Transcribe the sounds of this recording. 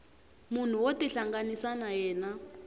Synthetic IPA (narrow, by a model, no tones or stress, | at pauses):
mun̤uwotɛɬaŋɡanisanajɛːna